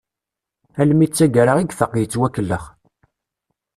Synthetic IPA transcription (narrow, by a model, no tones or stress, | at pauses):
ælmit͡sːæɡæɾaʁiɡθəqːjət͡sːwækːəlːəχ